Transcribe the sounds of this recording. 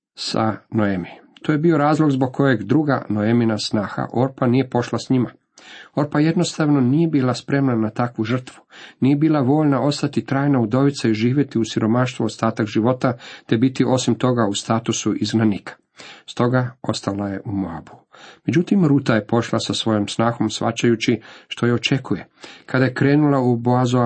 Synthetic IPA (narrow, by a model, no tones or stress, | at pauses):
sa̰noemit̪oje̞bio̞ɾaːzlˠo̞ɡzbo̞ɡ̚kʰo̞je̞ɡd̪ɾuɡa̰noeminasnaːxa̰ʔo̞ɾpanije̞po̞ʃlasɲima | o̞ɾpaje̞d̪no̞st̪aʋno̞nije̞biːlˠaspɾe̞mnanat̪akʋuʒr̩t̪ʋunije̞biːlˠaʋo̞ːʎnao̞st̪at̪it̪ɾaːjnaud̪o̞ʋit̪saiʒiːʋje̞t̪iusiɾo̞maʃt̪ʋuost̪aːt̪akʒiʋo̞t̪at̪e̞bit̪iʔo̞simt̪o̞ɡaust̪aːt̪usuʔizɡnanikʰḁ | st̪o̞ɡao̞st̪alaje̞ʔumoa̰buume̞d͡ʑut̪imɾuːt̪aje̞po̞ʃlˠasasʋo̞jomsnaːxo̞msʋa̰t͡ʃajut͡ɕiʃt̪o̞jeo̞t͡ʃe̞kuje̞kʰad̪ajekɾeːnulauboazo